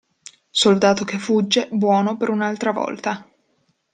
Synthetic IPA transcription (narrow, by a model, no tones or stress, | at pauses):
sold̪aːt̪okefːud͡ʒːebwɔːnopeɾunalt̪ɾavɔ̰lt̪a